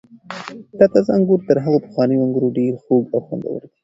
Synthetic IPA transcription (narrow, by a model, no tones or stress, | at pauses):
t̪at̪azaŋɡuɾt̪əɾɦaɣopə̥xwɑnəjoaŋɡəɾoɖeɾxoɡawxwa̰nd̪a̰wə̰ɾk̪i